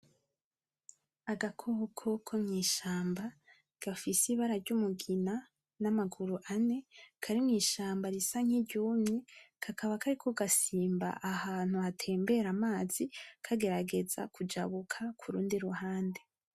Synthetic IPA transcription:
aɡakʰoːkʰo̞kʰomɲiːʃaːmba | ɡ̥afisiβaɾaɾɟumuɡina | namaɡuɾuʔane̞kʰaɾimŋiːʃaːmbaɾisaŋ̥iɟuːmɲikʰakaβakaɾikʰoɡasiːmba̰ʔahaːn̥huatʰe̞ːmbe̞ɾamaːz̥ikʰaɡe̞ɾaɡe̞za̰kud͡ʒa̰βukʰakʰuɾuːndiɾuhaːnde̞

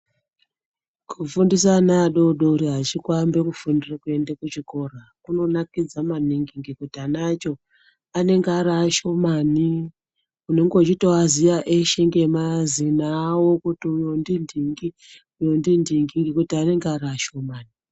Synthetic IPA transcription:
kʰufundis̬anaɗoɗoɾiɦat͡ʃikwambe̞kufundirakue̞ndekut͡ʃiko̞rakuno̞nakid͡zamaniŋɡiŋɡikutianat͡ʃo̞ | ane̞ŋɡaɾaːʃo̞mani | uneŋɡo̞t͡ʃito̞azijaʔeʃeŋɡemazinawo̞kutiujondindiŋɡi | ujo̞ndindiŋɡirikutiane̞ŋɡaɾaːʃo̞maːni

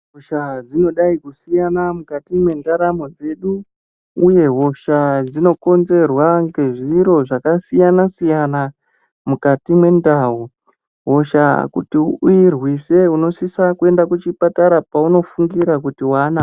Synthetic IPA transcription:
ɦoʃad͡zino̞ɗaikusijanamukatimwe̞ndaɾamo̞d͡ze̞ɗu | uje̞ɦo̞ʃad͡zino̞ko̞nze̞rwaŋɡe̞ʐiɾo̞ʐakasijanasijana | mukatimwe̞ndaɦo | ɦo̞ʃa̰kutiuirwise̞uno̞sisakue̞ndakut͡ʃipataɾapauno̞fuŋɡiɾak̬utiwana

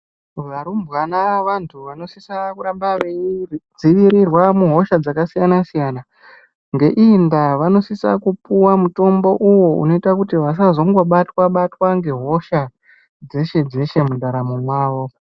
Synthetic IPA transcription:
ʋaɾumbwanaʋantʰuʋano̞sisakuɾambaʋed͡ziʋiɾirwamuɦo̞ʃad͡zakasijanasijana | ŋɡe̞ʔindaʋano̞sisa̰kupuwamuto̞mbo̞ʔuwo̞ṵno̞itakutiʋas̬azo̞ŋɡo̞ɓatwaɓatwaŋɡe̞ɦo̞ʃa | d͡ze̞ʃe̞d͡ze̞ʃe̞mundʱaɾamumwaːʋo̞

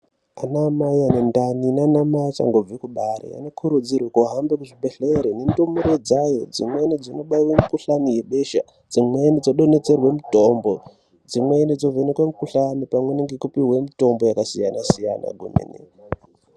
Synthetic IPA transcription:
anamajanendaninanamajat͡ʃa̰ŋɡo̞b͡vikuɓaɾḛja̰nokʰuɾud͡zirwekoɦambekuʐibʱeɬeɾenentomuɾed͡zajo̞̰d͡zimwenid͡zono̞ɓaiwemikuɬanijeɓeʃa̰ | d͡zimwenid͡zoɗo̞ne̞t͡se̞rwe̞muto̞mbo̞ | d͡zimwenid͡zovenekwemukuɬanipamwe̞neŋɡekupiwe̞mito̞mbo̞jakasijanasija̰na̰ɡʱunḛnḛ

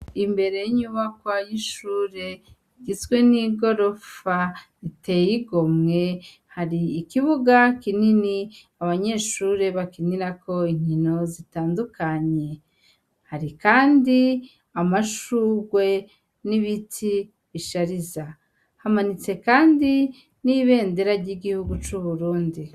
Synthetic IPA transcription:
imbe̞ɾe̞jiɲuβakwajiʃuːɾe̞ | iɡizɡwe̞niɡo̞ɾo̞fa | ite̞jiɡo̞mŋe̞ | haɾiːkiβuɡakinini | aβaɲe̞ːʃuːɾe̞βakiniɾako̞iɲ̥ino̞zitaːndukaɲe̞ | haɾikaːndi | amaʃuːɡwe̞ | niβitʰi | βiʃaɾiza | hamanit͡se̞kaːndi | niβe̞ːnde̞ɾaɾɟiɡihuɡut͡ʃuβuɾuːndi

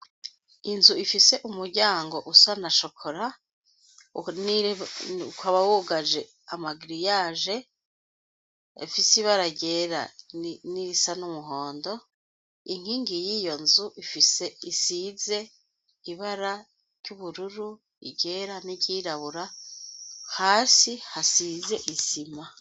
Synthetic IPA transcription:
inzuifise̞ʔumuɾɟaːŋɡo̞ʔusanaʃo̞kʰoɾa | ni | kwaβawuɡaʒe̞ | amaɡiɾijaːʒe̞ | fisiβaɾaɟe̞ɾa̰niɾisanumuɦo̞ːndo | iŋ̥hiːŋɡijiːjo̞nzuʔifise̞isize̞ | iβaɾḁ | ɟuβuɾuɾu | ḭɟe̞ɾaniɟiːɾaβuɾa | haːsihasize̞ʔizima

